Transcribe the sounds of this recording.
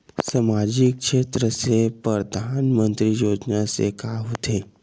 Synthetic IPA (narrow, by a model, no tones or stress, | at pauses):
samad͡ʑik̚ʂet̪ɾəsepəɾəd̪ʱanmənt̪ɾijod͡ʒnasḛkaɦot̪ʰe